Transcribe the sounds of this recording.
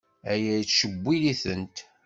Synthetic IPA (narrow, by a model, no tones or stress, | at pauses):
æjæjt͡sːʃəbʷːiliθənt̪